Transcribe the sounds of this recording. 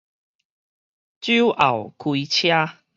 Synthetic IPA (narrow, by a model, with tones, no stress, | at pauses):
t͡ɕu˦ʔa̰˨˩wkʰwi˧t͡ɕʰja˦